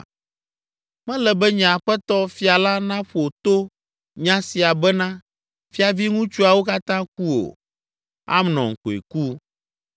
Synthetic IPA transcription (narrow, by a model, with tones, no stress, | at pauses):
mɛ̃˦lɛ˨bɛ˦ɲã˨ɸɛ˦t̪ɔ˦fi˦a˨la˦nã˦ɸo˨t̪o˦ | ɲã˦si˨a˨bɛ˦nã˦ | fi˦a˨vi˦ŋũ˦t͡ʃu˦a˨wo˦ka˦t̪ã˦k̚u˦o̰˨ | a̰˦mnɔ̰̃˨ŋ̩˨ko˨ḛ˨ku˦